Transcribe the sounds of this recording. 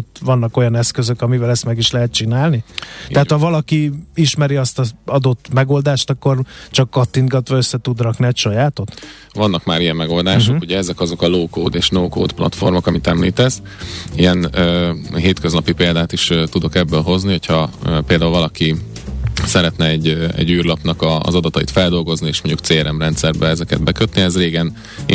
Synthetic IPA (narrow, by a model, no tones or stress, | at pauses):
t̪vɒnːɒko̞jɒnɛskøzø̞kɒmivɛlɛst̪mɛɡiʃlɛɦɛt̪̚t͡ʃinaːlnit̪ɛɦːt̪hɒvɒlɒkiiʃmɛɾiɒst̪ɒɒd̪o̞t̪ːmɛɡo̞ld̪aːʃt̪ɒkːo̞rt͡ʃɒkːɒt̪ːinɡɒt̪ʋɒøsːɛt̪ud̪rɒkniɛcʃɒjaːt̪o̞t̪ | vɒnːɒkmaːɾijɛmːɛɡo̞ld̪aːʃʃohuɟɛɛzɛkɒzo̞kɒloːkoːd̪eːʃnoːko̰ːd̪plɒ̰t̪fo̞̰rmo̞kɒmit̪ɛmlḭːt̪ɛz | ijɛnː | ɦeːt̪køznɒpipeːld̪aːt̪iʃt̪ud̪o̞kɛbːøːlɦo̞zniho̞chɒpeːld̪aːulvɒlɒki | sɛɾɛt̪nɛɛɟːɛ̰ɟːyːrlɒpnɒkɒ̰ːzɒd̪ɒt̪ɒḭt̪fɛld̪o̞lɡo̞znieːʃmoɲɟukt̪seːɛɾɛmrɛnt̪sɛrbɛɛzɛkɛ̰d̪̚bɛkøt̪niɛzreːɡɛn